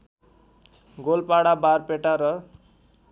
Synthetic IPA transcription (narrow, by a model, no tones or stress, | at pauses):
ɡolpaɽabarpeʈaɾʌ